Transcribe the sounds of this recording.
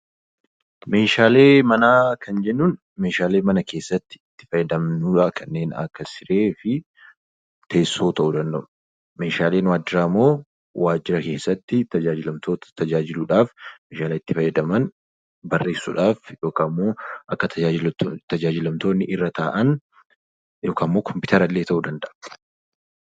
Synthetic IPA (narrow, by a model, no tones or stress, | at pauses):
me̞ːʃaːle̞ːmɐnaːkʰɐnd͡ʒɛnːʊn | meːʃaːle̞ːmɐnɐke̞ːsːɐt̪ːɪ̥ɪt̪ːɪ̥fɐjɐd̪ɐmnuːᶑakʰɐnːe̞ːnɐ̰kːɐsɪɾe̞ːfɪ | t̪e̞ːsːoːt̪ɐʔuːd̪ɐnd̪ɐ̰m | me̞ːʃaːle̞ːnwaːd͡ʒːɪɾaːmːo̞ː | waːd͡ʒːɪɾɐke̞ːsːɐt̪ːɪt̪ɐd͡ʒaːd͡ʒɪlɐmt̪oːt̪t̪ɐd͡ʒaːd͡ʒɪluːᶑaːfmeːʃaːleːɪt̪ːɪfɐjɐd̪ɐmɐn | bɐrːe̞ːsːṵːᶑaːfjo̞ːkaːmːo̞ːʔɐkːɐt̪ʰɐɪt̪ɐd͡ʒaːd͡ʒɪlɐmt̪o̞ːnːɪʔɪrːɐt̪ʰaːʔɐn | jo̞ːkʰaːmːo̞ːkʰɔmpɪt̪ɐɾɐlːeːt̪ɐʔuːd̪ɐnd̪ɐʔɐ